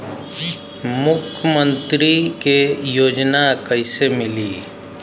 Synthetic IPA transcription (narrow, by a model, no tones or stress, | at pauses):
mʊkʰəmə̃nt̪ɾikejoːd͡ʒnakəɪsemɪliː